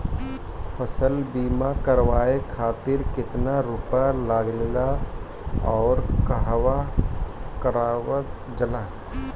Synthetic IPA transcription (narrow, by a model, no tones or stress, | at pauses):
pʰəsəlbiːmakəɾʋaːekʰaːt̪ɪɾkɪt̪naɾʊpalaːɡlela | ɔːɾkəɦʋa | kəɾaːwət̪̚ | d͡ʒɐlaː